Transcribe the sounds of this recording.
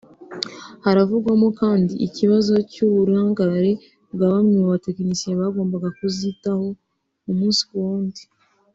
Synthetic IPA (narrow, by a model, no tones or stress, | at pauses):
haɾavuɡwamo̞kaːndiʔːciβazo̞cuβuɾaːŋɡaɾe̞ | βɡaːβamɲiaβatekinisieβaɡo̞ːmbaɡakuzitaho̞ | umuːnsi̥woːndi